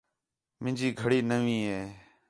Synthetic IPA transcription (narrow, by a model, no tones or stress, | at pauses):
mɪ̃nd͡ʒiːɡʱəɽiːnəʋĩːɦeː